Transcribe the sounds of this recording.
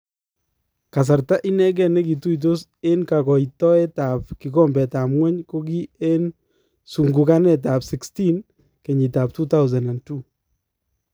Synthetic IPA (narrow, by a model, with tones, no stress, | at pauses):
ka˨s̬a˨ɾta˦ʔi˦nɛ˦k̬ɛ˨nɛ˦ki˨tu˦i˨t̬o˦s | e˦nka˨kɔ˨itɔ˦ɛ˦ta˨p̚ki˨kɔ˦mbɛ˨ta˨mŋwɛ˦ɲko˦k̬i˦e˦n | su˨ŋɡu˨ka˦nɛ˦t̬a˨psɪ˨ksti˦n | ke˨ɲi˨ta˨p̚tu˦ta˦wzɛ˨nda˨ntu˨